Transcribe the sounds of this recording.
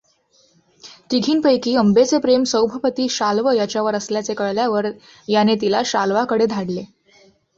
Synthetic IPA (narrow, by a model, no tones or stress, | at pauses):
t̪iɡʱiːnpəjkiːəmbet͡sepɾemsəwbʱəpət̪iːɕalʋəjat͡ɕjaʋəɾəsljat͡sekəɭljaʋəɾ | janet̪ilaɕalʋakəɽed̪ʱaɽle